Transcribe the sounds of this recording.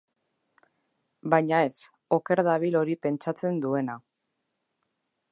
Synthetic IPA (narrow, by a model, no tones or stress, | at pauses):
bajɲae̞s | o̞ke̞ɾðaβilo̞ɾipe̞nt͡ʃat͡se̞nd̪ue̞na